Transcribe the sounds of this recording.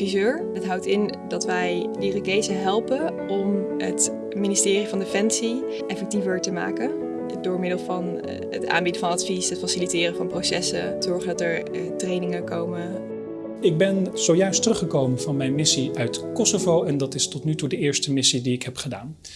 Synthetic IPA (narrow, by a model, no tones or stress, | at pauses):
fizøːɹ | ətɦɑwtɪn | dɑtʋɛjdirəkejzəɦɛlˠpən | ɔmɦə̰t | minɪstɪːrivɑndefɛnsi | ʔɛfɛk̚tivəɹtəma̰ːkə | dʊːɹmɪdəlˠvɑn | ə̰ta̰ːmbidəvɑnɑtfisɦətfasilitɪːrəvɑnprowsɛsə̰təzɔɹχəndɑtəɹtrejnɪŋəkowmə | ɪɡ̚bɛnz̥owjœɥstərɵχəkowmənvɑnmɛjnmɪsiœɥtkɔsovowɛndɑtɪstɔtnytudəɪːɹstəmɪsidiɪkɦɛpχəda̰ːn